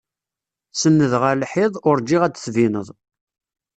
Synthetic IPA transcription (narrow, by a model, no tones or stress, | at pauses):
sənːəðʁælħɪðˤʊɾd͡ʒiʁæt͡sːθvinəðˤ